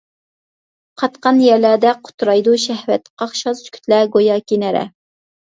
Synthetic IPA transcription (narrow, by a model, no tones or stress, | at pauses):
qʰɑt̪qɑnjɛɾlæd̪ɛqʰʊ̥t̪ɾɑjd̪uʃɛhwɛt̪qʰɑχʃɑz̥kʲʰy̥t̪læɡojɑːkʲinɛɾɛ̰